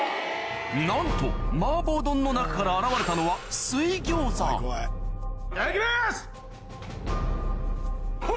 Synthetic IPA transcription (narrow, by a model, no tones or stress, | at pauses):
nãnt̪o̞̰maːbo̞ːd̪õ̞nːo̞nakḁkaɾaːɾaβaɾe̞t̪ano̞βasɨiɡʲoːsa̰oe | ekʲiɾes